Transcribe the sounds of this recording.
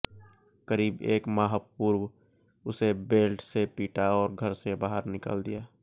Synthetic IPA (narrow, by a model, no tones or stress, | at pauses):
kəɾiːbḛːkmaːɦəpuːɾw | ʊsebeːlʈsepiːʈaɔːɾɡʱəɾsebaːɦəɾnɪkə̰ld̪ijaː